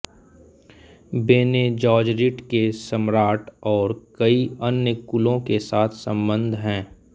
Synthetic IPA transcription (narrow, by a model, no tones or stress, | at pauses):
beːned͡ʒɔːd͡ʒɾɪʈkesəmɾaːʈɔːɾkəiənjəkʊlõkesaːt̪ʰsə̃mbə̃nd̪ʱɦɛ̃ː